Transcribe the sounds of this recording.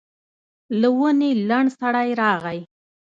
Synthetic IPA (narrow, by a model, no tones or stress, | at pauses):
lawənelaɳɖsaɽajɾɑɣaj